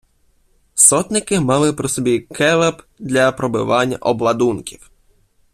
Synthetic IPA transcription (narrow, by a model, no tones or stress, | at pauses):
sɔt̪nɪkɪmɑlˠɪpɾɔsɔbʲikʰɛlˠɛp | d̪lʲɐpɾɔbɪ̰ʋɑnʲːɐ̰ʔɔblˠɐd̪unkʲiw